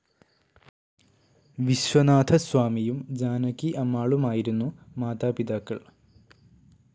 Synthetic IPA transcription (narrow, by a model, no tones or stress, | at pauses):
ʋiɕʋɐnaːt̪ʰɐsʋaːmijumd͡ʑaːnɐkːiʔɐmːaːɭumaːjiɾunːumaːt̪aːpid̪aːkːɐɭ